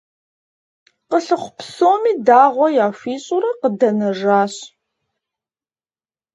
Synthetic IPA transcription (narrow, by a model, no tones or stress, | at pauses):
qəɬɨχʷʊpsoːmiːdaːʁʷɔjaːfiːɕʼʊɾɐqədɐnɐʐaːɕ